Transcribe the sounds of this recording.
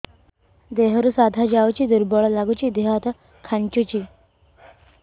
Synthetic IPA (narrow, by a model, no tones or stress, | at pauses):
d̪eɦəɾusad̪ʱad͡ʑawt͡ɕiːd̪uɾbɔɭlaɡut͡ɕiːd̪eɦat̪ə | kʰaɳt͡ɕut͡ɕiː